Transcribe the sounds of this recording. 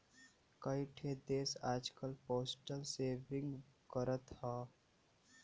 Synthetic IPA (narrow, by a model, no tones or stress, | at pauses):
kəiʈʰed̪eːsaːd͡ʒkəlpoːsʈəlseːbɪ̃ŋɡkəɾət̪haː